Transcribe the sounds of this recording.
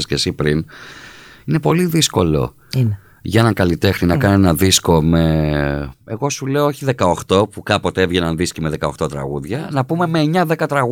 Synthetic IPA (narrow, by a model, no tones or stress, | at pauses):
scesipɾin | ine̞po̞liðisko̞lo̞̰ | ʝɐenɐŋkɐlit̪e̞xninɐkɐnenɐðisko̞me̞ | e̞ɣo̞sule̞ooçiðe̞kɐo̞xt̪o̞pukɐpo̞t̪eevʝe̞nɐnðiscime̞ðe̞kɐo̞xt̪o̞t̪ɾɐ̰ɣuðʝɐnɐpume̞me̞ːɲɐðe̞kɐt̪ɾɐɣ